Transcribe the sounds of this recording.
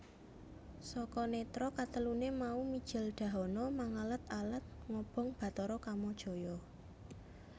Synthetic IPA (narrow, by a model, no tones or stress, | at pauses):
sɔkɔnet̪ɾɔkat̪əlunemaumid̥ʒ̥ɪ̤lɖ̥ä̤ɦɔnɔmaŋalət̪alət̪̚ŋɔb̥ɔ̤ŋb̥a̤t̪ɔɾɔkamɔd̥ʒ̥o̤jɔ